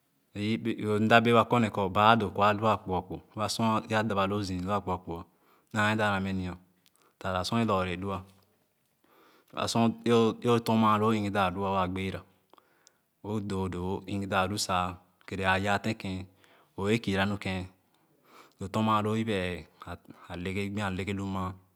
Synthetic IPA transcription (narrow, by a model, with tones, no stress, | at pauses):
o˨n̩˦da˦be˦a˨ko˦ne˨kɔ˨ba˨˦do˨ko˨a˦lu˦a˦k͡pɔ˨k͡po˨˦a˨sõ˦a˦da˨ba˨lo˦zi˨lu˦a˦˨k͡pɔ˨k͡po˨a˨ | na˨˦e˦da˦˨ɾa˨me˦ni˨o˨ | ta˨ɾa˨sɔ̃˦e˦lɔ˨ɾe˨du˦a˦˨ | a̰˨sõ˦o˦o˦to˦ma˨lo˦i˦ŋi˦da˨du˦a˦a˨ɡ͡be˦ɾa˨ | o˦do˨do˨˦i˦ŋi˦da˨du˦sa˨ | ke˨ɾe˨a˨ja˦˨tẽ˦kẽ˦ | o˨e˦ki˨ɾa˦nu˦kẽ˦ | do˨to˦ma˨lo˦i˦bɛ˨a˨a˨le˦ke˦ɡ͡bĩ˦a˨le˦ke˦lu˦ma˦